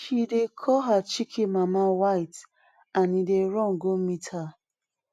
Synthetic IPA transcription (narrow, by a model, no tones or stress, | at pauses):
ʃidekʰɔɦat͡ʃikʰimamawaɪt | anideɾɔ̃ŋ̩ɡomitha